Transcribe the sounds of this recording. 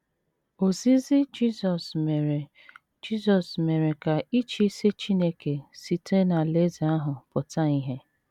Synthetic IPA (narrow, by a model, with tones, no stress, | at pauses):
o˨zi˦zi˦d͡ʒi˦zɔ˨sme˨ɾe˨ | d͡ʒi˦zɔ˨sme˨ɾe˨ka˨ʔi˦t͡ʃi˦se˦t͡ʃi˦ne˦ke˨si˨te˦na˨le˦zi˨a˦ɦʊ˨pʊ˨ta˦i˦ɦe˦